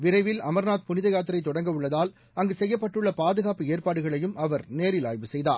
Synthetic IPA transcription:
ʋɪɾɐɪʋɪlɐmɐɾnaːt̪̚pʊnɪðɐjaːt̪̬ːɪɾɐɪt̪ːɔɽɐŋɡɐɯɭːɐðaːl | ɐŋɡesɛjːɐpːɐʈːɯɭːɐpaːðɯɣaːpːɯeːɾpaːɽɯɣɐɭɐjɯmʔɐʋɐɾneːɾɪla̰ːjʋɯsɛjða̰ːɾ

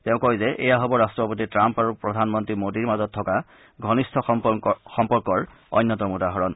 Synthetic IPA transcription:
tɛʊ̃kɔjzɛʔɛ̰jaɦɔbɔɹastɹɔpot̬itɹampaɹupɹɔdʱanmɔntɹimodiɹmazɔtʰːɔka | ɡʱɔnistʰɔxɔmpɔɹkɔɹ | ɔ̰jnːɔtɔmudaɦɔɹɔn

